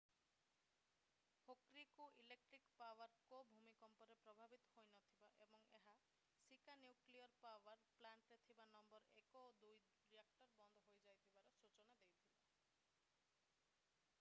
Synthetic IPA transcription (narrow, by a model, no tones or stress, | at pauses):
hokɾikuʔilek̚ʈɾikpawaɾkobʱumikɔmpɔɾepɾɔbʱabit̪ɔ̥hojnɔt̪ʰibaʔebɔŋeɦa | sikanjukliɔɾpawaɾplaɳʈɾet̪ʰibanɔmbɔɾekɔod̪uj | ɾiakʈɔɾbɔnd̪ʱɔɦojd͡ʒajt̪ʰibaɾɔsut͡ʃɔnad̪ejt̪ʰiba